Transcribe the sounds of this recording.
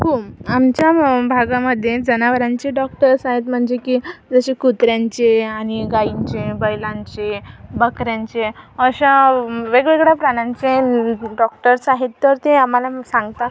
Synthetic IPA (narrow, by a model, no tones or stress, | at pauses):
ɦoamt͡ɕjabʱaɡaməd̪ʱːjed͡zənaʋəɾaɲt͡ɕeɖɔk̚ʈəɾsaɦet̪m̤əɳd͡zekiːd͡zəɕekut̪ɾjaɲt͡ɕeaɽ̃iɡaiɲt͡ɕebəjlãɲt͡ɕebəkɾjaɲt͡ɕeəɕaʋeɡɭeɡɽjapɾaɽ̃aɲt͡ɕeɖɔk̚ʈəɾsaɦit̪ːəɾt̪eamalasãŋɡt̪a